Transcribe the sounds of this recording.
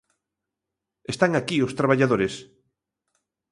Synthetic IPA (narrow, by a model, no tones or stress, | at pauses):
est̪aŋakiost̪ɾaβ̞aʎaðoɾes